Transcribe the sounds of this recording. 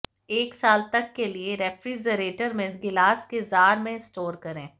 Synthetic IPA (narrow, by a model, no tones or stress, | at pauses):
eːksaːlt̪ɐkːelieɾɛfɾid͡ʒəɾeːʈəɾmẽɡɪlaːskezaːɾmẽɪsʈoːɾkɐɾẽː